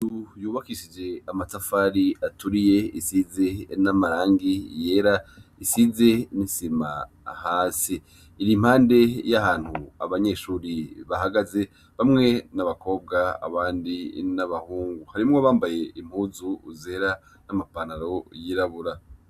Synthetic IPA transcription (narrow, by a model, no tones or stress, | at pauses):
ujuːβakiʃid͡ʒe̞amatafaɾiatuɾije̞isize̞namaɾaːŋɡije̞ːɾaisize̞nisima | haːsiː | ɾim̥haːnde̞jaɦaːn̥hua̰βaɲe̞ʃuːɾiβahaɡaze̞ | βamŋe̞naβako̞ːb̚ɡaa̰βaːndinaβahuːŋɡuhaɾimŋoβaːmbaje̞im̥huːzuːze̞ɾa | namapanaɾo̞jiɾaβuɾa